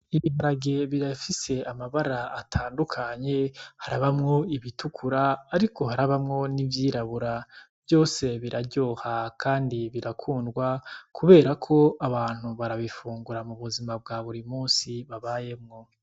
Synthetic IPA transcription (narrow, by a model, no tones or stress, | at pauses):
iβiβaɾaɡe̞βiɾafise̞amaβaɾaːtʰaːndukʰaɲe̞haɾaβamŋo̞iβitʰukʰuɾaːɾikʰo̞ɦaɾaβamŋo̞nivjiːɾaβuɾabjo̞ːse̞βiɾaɾɟo̞ːhakʰaːndiβiɾakʰuːndɡwakʰuβe̞ːɾakʰo̞aβaːn̥huβaɾaβifuːŋɡuɾamuβuzimab̚ɡaβuɾimuːnsiβaβaje̞mŋo̞